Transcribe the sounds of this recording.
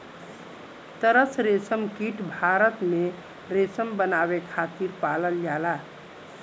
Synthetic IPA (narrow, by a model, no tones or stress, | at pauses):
t̪əɾəsɾesəmkiʈbʱaɾət̪me | ɾesəmbənaβekʰat̪iɾpaləljala